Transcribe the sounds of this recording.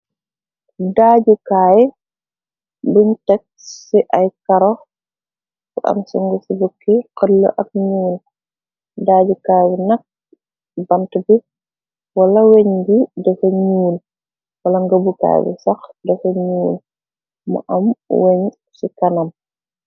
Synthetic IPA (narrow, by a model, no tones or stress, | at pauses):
daːɟukaːj | bintɛk̚siʔɐjkɐɾɔ | fuʔɐ̰msuŋɡusibukːiqəlːɐ̰ʔɐk̚ɲuːl | daːɟukaːjbinɐk̚ | bɐntbi | walɐweɲɡidɛfɐɲuːl | wɐlɐŋɡɐbuka̰ːj̰bṵsɐxdɛfɐɲuːl | mɔ̰ʔɐmweɲ | sikɐnɐm